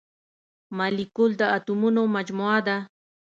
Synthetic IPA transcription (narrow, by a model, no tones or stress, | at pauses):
malɪkʊld̪aːt̪ʊmʊnomat͡ʃmoad̪a